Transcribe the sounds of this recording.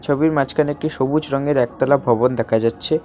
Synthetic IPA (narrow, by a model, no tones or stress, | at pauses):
t͡ɕʰobiɾmat͡ɕkʰanek̚ʈiʃobud͡ʑɾɔŋeɾɛk̚t̪alabʱɔbond̪ɛkʰad͡ʑatːɕʰe